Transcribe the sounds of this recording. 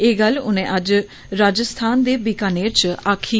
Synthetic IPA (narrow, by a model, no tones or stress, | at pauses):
eːɡəlʊnẽːʔəd͡ʒ | ɾaːd͡ʒəst̪ʰaːnd̪eːbɪkaːneːt͡ʃaːkʰiː